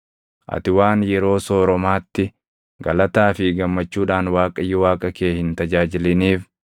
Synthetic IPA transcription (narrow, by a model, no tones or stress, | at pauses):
ʔɐ̰t̪ɪwaːnjɛɾo̞ːso̞ːɾɔmaːt̪ːɪ | ɡɐlɐt̪aːfɪɡɐmːɐt͡ʃːuːᶑaːnwaːkʼɐjːʊwaːkʼɐkeːhɪnt̪ɐd͡ʒaːd͡ʒɪlɪniːf